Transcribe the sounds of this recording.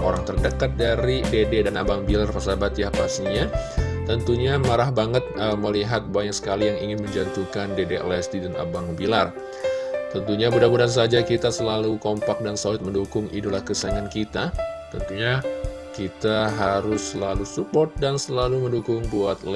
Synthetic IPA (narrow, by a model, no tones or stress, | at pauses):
o̰ɾaŋt̪ərdəkat̪̚daɾidededanabaŋbilarpəsabat̪jahpa̰st̪iɲat̪ənt̪uɲamaɾahbaŋət̪̚əməliɦat̪̚baɲak̚sə̥kalijaŋiŋɪnməɲd͡ʒant̪ukandedeə̰lɛst̪idanʔa̰baŋbilar | t̪ənt̪uɲabudabudans̬ad͡ʒakit̪asəlalukompak̚dansolɪt̪̚məndukʊŋidolahkəsaŋankit̪at̪ənt̪uɲa | kit̪aɦaɾʊsəlalusupɔrt̪̚dansəlaluməndukʊŋbuat̪̚l